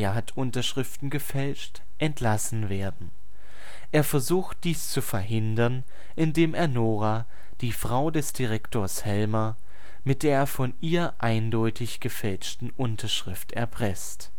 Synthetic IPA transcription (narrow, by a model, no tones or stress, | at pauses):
ɐɦatʰʔʊntɐʃʁ̥ɪftn̩ɡəfɛlt͡ʃt | ʔɛntʰlasn̩veːɐdn̩ | ʔeːɐfɛɐzuːxt̚d̥iːst͡sufɛɐɦɪndɐn | ʔɪndeːmeːɐnoːʁaː | d̥iːfʁ̥aʊdɛsd̥iʁɛktʰoːɐshɛlmɐ | mɪt̚d̥eːɐfɔnʔiːɐʔaɪndɔʏtʰɪçɡ̥əfɛlt͡ʃtn̩ʔʊntʰɐʃʁ̥ɪftɛ̰ɐpʁ̥ɛst